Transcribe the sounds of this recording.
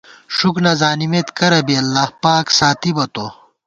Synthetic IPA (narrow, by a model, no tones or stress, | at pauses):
ʂuknɐzaːnimet̪kɐɾɐbiɐlːaːhpaːksaːt̪ibɐt̪oː